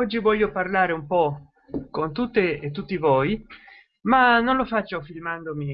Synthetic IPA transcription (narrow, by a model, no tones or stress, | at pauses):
ɔd͡ʒːivɔʎːoparlaːɾeumpɔ | kont̪ut̪ːeet̪ːut̪ːivoɔːj | manonlofat͡ʃːofilmand̪omi